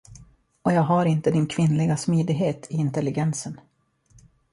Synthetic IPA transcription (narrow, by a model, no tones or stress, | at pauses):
ɔjɑːɡɦaɾɪnt̪əd̪ɪnkʰvɪnlɪɡasmyːd̪ɪɡɦeːt̪ʰɪɪnt̪ɛlːɪɡɛnsən